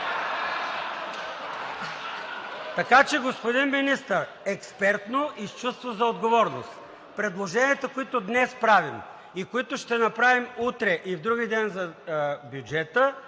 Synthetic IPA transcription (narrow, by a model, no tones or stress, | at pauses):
t̪ɐkat͡ʃɛɡospod̪inminist̪əɾ | ɛkspɛɾt̪noʔist͡ʃust̪vozɐod̪ɡovɔɾno̰st̪ | pɾɛd̪lˠoʒɛniət̪əkoit̪od̪nɛspɾavim | ikoit̪oʃt̪ɛnɐpɾavimut̪ɾɛʔivd̪ɾuɡid̪ɛnzɐbjud͡ʒɛt̪ə